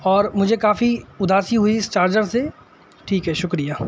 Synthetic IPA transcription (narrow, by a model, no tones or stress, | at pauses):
ɔːɾmʊd͡ʒʱekaːfiʊd̪ʱaːsiɦʊiɪst͡ʃaːɾd͡ʒəɾse | ʈʰiːkɦɛʃʊkɾijaː